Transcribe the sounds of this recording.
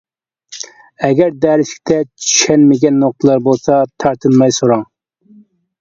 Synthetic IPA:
ɛɡʲɛɾd̪æːɾɪʃkʲt̪ʰɛt͡ʃʰy̥ʃɛnmɪɡʲɛnːoq̚t̪ʰəlˠɑɾbolˠsɑt̪ʰɑɾt̪ʰɨnmɑjsoɾɑŋ

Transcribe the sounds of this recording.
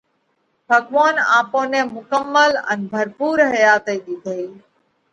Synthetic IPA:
bʱəɡʋaːna̰ːpõːnẽːmʊkəmːələ̰nbʱəɾpuːɾɦəjaːt̪əiːɗid̪ʱəiː

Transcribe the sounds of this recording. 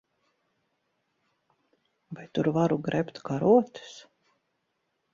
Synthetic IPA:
vajt̪uɾvaɾuɡɾʔɛpt̪kaɾuɔt̪ɪ̥s

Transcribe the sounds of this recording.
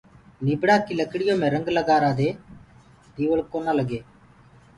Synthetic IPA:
nibɽaːkiləkɽɪjõːmẽːɾəŋɡləɡaːɾaːd̪eː | d̪iːʋəɭkoːnaːləɡeː

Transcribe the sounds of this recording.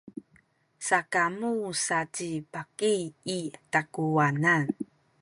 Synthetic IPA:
sakamusat͡ɕipakiitakuanan

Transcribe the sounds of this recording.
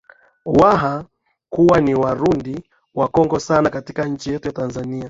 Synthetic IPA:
waɦa | kuwaniwaɾundi | wakɔŋɡɔsanakatikaɲ̩t͡ʃijɛtujatanzania

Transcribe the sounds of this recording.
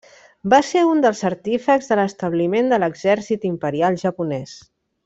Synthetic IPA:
baseund̪əlˠzəɾt̪ifəkzðələst̪əβlimend̪ələɡzɛɾsit̪impəɾialˠʒəpunɛs

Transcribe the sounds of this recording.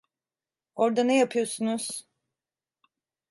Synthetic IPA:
o̞ɾd̪anɛjapʰɯjo̞ɾsunuz̥

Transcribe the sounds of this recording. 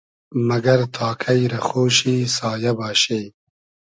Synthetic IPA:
mɐɡɐɾt̪ʰɑːkʰɐjɾɐxoːʃiːsɑːjɐbɑːɕej

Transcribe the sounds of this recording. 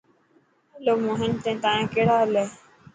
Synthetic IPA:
loːmoːɦɪnt̪ẽːt̪ãːẽːkeɽaːleː

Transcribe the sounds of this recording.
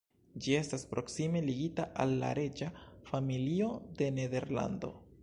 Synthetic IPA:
d͡ʒie̞staspɾo̞ksime̞liɡitaʔalːa̰ɾe̞d͡ʒafamilio̞de̞ne̞de̞ɾla̰ndo̞̰

